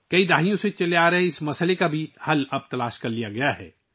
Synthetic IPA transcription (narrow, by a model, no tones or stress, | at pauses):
kɐid̪aːɦijõset͡ʃɐleaːɾɐɦeɪsmɐsəlekabʱihɐlɐb̚t̪ɐlaːʃkɐɾlijaɡɐjaɦɛ̰ː